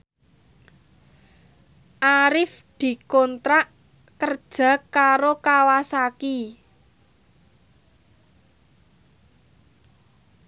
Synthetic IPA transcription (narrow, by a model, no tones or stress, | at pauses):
ʔaɾɪfd̪̥i̤kɔnt̪ɾaʔ | kərd̥ʒ̥ä̤kːaɾokawasaki